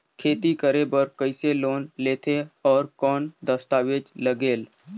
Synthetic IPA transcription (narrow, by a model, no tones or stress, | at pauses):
kʰeːt̪ikəɾebəɾkəɪseloːnleːt̪ʰeɔːɾkɔːnd̪əst̪aːʋeːd͡ʒləɡeːl